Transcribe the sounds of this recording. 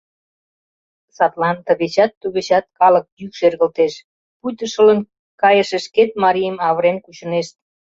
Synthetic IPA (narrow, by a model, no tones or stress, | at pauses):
sɑt̪lɑnt̪əɣet͡ɕɑt̪ːuβet͡ɕɑt̪̚kɑlə̆k̚jykʃerɣə̆lt̪eʃ | pujt̪əʃələn | kɑjəʃeʃket̪̚mɑɾijəmɑβəɾenkut͡ɕə̆neʃt̪̚